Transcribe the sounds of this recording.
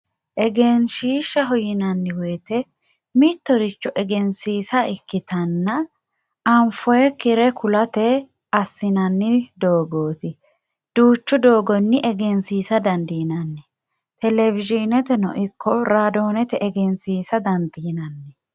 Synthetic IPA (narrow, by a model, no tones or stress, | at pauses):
ʔɛɡɛnʃiːʃːɐɦɔjɪnɐnːɪweːt̪ɛ | mit̪ːɔɾɪt͡ʃːɔʔɛɡɛnsiːsɐɪkːɪt̪ɐnːɐ | ɐmfɔjɛkɪɾɛkʰʊlɐt̪ɛ | ɐsːɪnɐnːɪd̪o̞ːɡoːt̪ɪ | d̪̥uːt͡ʃːʊd̪o̞ːɡɔnːɪʔɛɡɛnsiːsɐd̪ɐnd̪iːnɐnːɛ | t̪ɛlɛvɪʒɪnɛt̪ɛnɔ̰ʔɪkʰːɔɾaːd̪o̞ːnɛt̪ɛʔɛɡɛnsiːsɐd̪ɐnd̪iːnɐnːɛ